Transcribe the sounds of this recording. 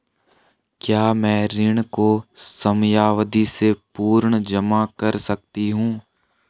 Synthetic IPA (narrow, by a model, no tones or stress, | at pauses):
kjaːmɛ̃ːɾɪɳ̃kosɐmjaːʋd̪isepuːɾɳd͡ʒɐmakɐɾsɐk̚t̪iɦũː